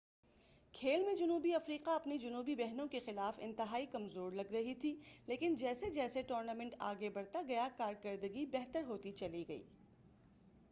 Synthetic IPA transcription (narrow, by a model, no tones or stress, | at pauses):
kʰeːlmẽd͡ʒɐnuːbiɐfɾiːqaɐpnid͡ʒʊnuːbibɛɦnõkexɪlaːfɪ̰̃nt̪ɪɦaːikɐmzoːɾlɐɡɾɐɦit̪ʰileːkɪnd͡ʒɛːsed͡ʒɛːseʈoːɾnamɛ̃ɳʈa̰ːɡebɐɽt̪aɡɐjakaːɾkɐɾd̪əɡibɛɦt̪əɾɦoːt̪it͡ʃɐliɡɐḭː